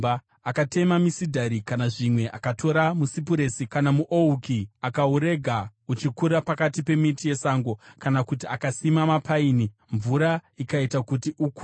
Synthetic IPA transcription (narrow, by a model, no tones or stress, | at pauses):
a | akate̞mamisidʱaɾikanaʐimwe̞ʔakatʰo̞ɾamusip̬uɾesikanamuʔoukiakauɾe̞ɡʱaut͡ʃikuɾapakatipe̞mitije̞saŋɡo̞kanakutiakasimamapʰaiːni | ɱvuɾaikaitakutiʔuk